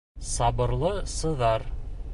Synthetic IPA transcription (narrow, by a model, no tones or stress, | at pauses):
sɑbɤ̆ɾlˠɤsɤ̆ðɑɾ